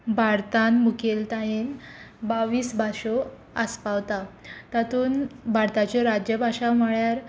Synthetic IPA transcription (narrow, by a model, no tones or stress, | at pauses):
bʱaɾt̪anmukelt̪ajenbaʋiːsbʱaɕo | əspawt̪at̪at̪uːnbʱaɾt̪at͡ɕeɾad͡ʑjəbʱaɕaməɭjaɾ